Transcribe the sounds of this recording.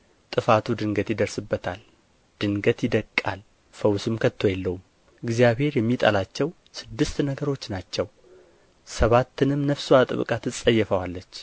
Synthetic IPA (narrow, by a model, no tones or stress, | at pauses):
t̪ʼɨfat̪ʰud̪ɨŋɡət̪jɪd̪əɾsɨbːət̪ʰal | d̪̥ɨŋɡət̪jɪd̪əkʼːal | fəwsɨmkʰət̪ʰːo̞jɛlːəhum | ɨɡzijaβhe̞ɾjɛmːit̪ʼa̰lat͡ʃːɛw | sɨd̪ːɨst̪nəɡəɾo̞t͡ʃːnat͡ʃːɛw | səβat̪ːɨnɨmːnəfsuat̪ʼɨ̰β̰kʼat̪ʰɨsʼːəjːɛfəwalːət͡ʃː